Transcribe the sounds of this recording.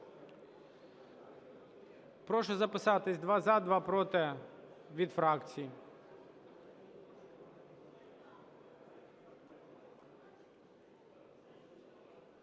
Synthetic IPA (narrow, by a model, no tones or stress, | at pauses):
pɾɔʃɔzɐpɪsɑt̪ɪsʲd̪ʋɑzad̪ʋɑpɾɔt̪ɛ | ʋʲid̪fɾɑkt͡sʲiji